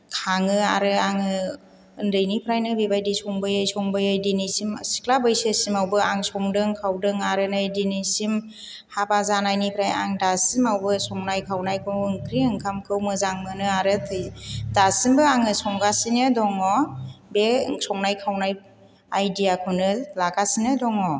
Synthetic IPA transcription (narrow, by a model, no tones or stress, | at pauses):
kʰaŋɯaɾɯaŋɯ | ɯndɯjnipʰɾajnɯbibajdisɔŋbɯjɯjsɔŋbɯjɯjdinisimsi̥klabɯjsesimawbɯaŋsɔŋdɯŋkʰawdɯŋaɾɯnajdinisim | habazanajnipʰɾaja̰ŋdasimawbɯsɔŋnajkʰawnajkʰɯɯŋkʰɾiɯŋkʰamkʰɯwmɯzaŋmɯnɯaɾɯtʰɯjdasimbɯaŋɯsɔŋɡasinɯdɔŋɔbesɔŋnajkʰawnaj | ajdijakʰɯnɯlaɡasinɯdɔŋɔ